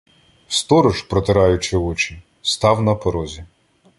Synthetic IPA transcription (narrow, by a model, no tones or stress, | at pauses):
st̪ɔɾɔʒpɾɔt̪ɪɾɑjʊt͡ʃɪɔt͡ʃi | st̪ɑwnɐpɔɾɔzʲi